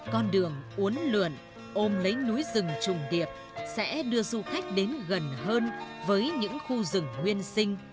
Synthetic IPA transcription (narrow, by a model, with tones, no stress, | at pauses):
kɔ˧nɗɨ˨˩əŋʔu˨˦ənlɨ̰˧˩ən | ʔo˧mlə˨˦jnu˨˦jzɨ˨˩ŋt͡ɕʊ˨˩ŋ͡mɗi˨˩əp̚ | sɛ̰˧˥ɗɨ˧əzu˧xa˦˥jk̟̚ɗe˨˦nɣə˨˩nhəː˧nvəː˨˦jɲɨ̰˧˥ŋxu˧zɨ˨˩ŋŋwi˧ənsï˧ŋ̟